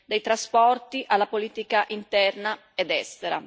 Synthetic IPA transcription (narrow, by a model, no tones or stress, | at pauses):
d̪ejt̪ɾaspɔrt̪iʔalːapoliːt̪ikaʔint̪ɛrna | ɛd̪ɛst̪eɾa̰